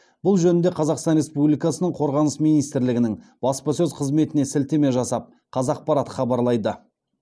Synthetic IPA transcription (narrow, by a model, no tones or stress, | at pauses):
b̥ʊlˠʒɵnɪnd̪e̞qʰɑzɑqst̪ɑnɾe̞spublijkɑsənəɴqʰo̞ɾʁɑnəsmijnijst̪ɪɾlɪɡʲɪnɪŋb̥ɑspəsɵzqʰəzme̞t̪ɪne̞sɪlt̪eme̞ʒɑsɑp̚ | qʰɑzɑq̚pɑɾɑt̪χɑbɑɾlˠɑjd̪ə